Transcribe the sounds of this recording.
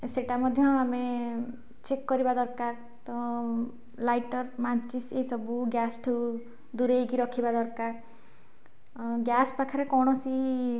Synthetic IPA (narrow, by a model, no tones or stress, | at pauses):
seʈamɔd̪ʱjɔame | t͡ʃekːɔɾibad̪ɔɾkaɾ | t̪ɔ | lajʈɔɾmat͡ʃiseisɔbuɡjasʈʰu | d̪uɾejɡiɾɔkʰibad̪ɔɾkaɾ | ɡjaspakʰaɾekɔwɽ̃ɔsi